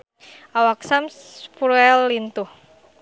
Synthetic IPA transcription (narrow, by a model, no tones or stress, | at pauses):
awaksams | fuɾuɛlːint̪uh